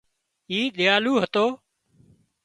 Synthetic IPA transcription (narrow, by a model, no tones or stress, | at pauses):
iːɗɪjaːluːɦət̪oː